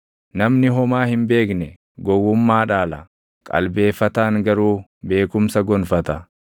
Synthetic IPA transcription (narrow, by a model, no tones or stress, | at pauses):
nɐmnɪɦɔmaːhɪmbe̞ːknɛ | ɡɔwːʊmːaːᶑaːlɐ | kʼɐ̰lbe̞ːfːɐt̪aːŋɡɐɾuːbe̞ːkʊmsɐɡɔnfɐt̪ɐ